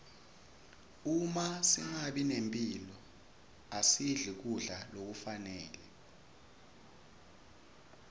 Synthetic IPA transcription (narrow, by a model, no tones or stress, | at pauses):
umasiŋaɓinempʼilɔ | asiɮik̬uɮalok̬ufanɛːlɛ